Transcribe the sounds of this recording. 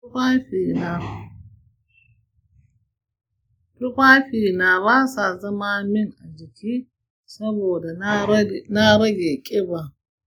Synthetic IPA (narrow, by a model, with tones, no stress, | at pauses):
a˦ɸi˨na˨ | ɸɪ˦kʷa˦ɸi˨na˨wa˦sa˨zɐ˦ma˦mɪ˦na˨d͡ʒi˨kʲiː˦ | sɐ˦boː˨da˨ | na˦ɾɐ˦ɡe˨kʲʼɪ˦ba˨